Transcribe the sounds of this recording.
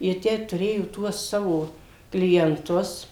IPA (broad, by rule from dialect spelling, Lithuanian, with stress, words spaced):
jiɛ ˈtʲæː tʊˈrʲeːjoː ˈtuɔs ˈsɑːʋoː klʲiɛnˈtʊs